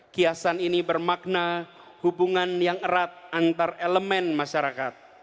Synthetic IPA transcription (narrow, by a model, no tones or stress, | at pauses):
kiasaninibərmak̚na | hubuŋanjaŋəɾat̪̚ant̪areləmɛnmaʃaɾakat̪̚